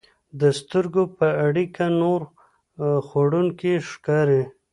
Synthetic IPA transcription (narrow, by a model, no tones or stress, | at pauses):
d̪əst̪əɾɡopəaɽikanoɾ | xoɽuŋkeʃkɑɾe